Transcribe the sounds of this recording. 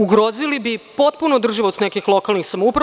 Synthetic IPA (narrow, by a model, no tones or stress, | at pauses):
uɡɾozilibipo̞t̪punod̪r̩ʒiʋost̪nekixlˠo̞kalnixsamoupɾa